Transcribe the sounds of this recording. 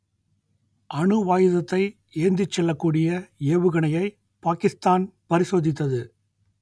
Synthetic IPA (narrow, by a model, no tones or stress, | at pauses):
ʔɐɳɯʋaːjɯðɐt̪ːɐɪ | eːnd̪ɪt͡ʃːɛlːɐkːuːɽɪjɐeːʋɯɣɐɳɐjɐɪ | paːkɪst̪aːnpɐɾɪsoːðɪt̪ːɐðɯ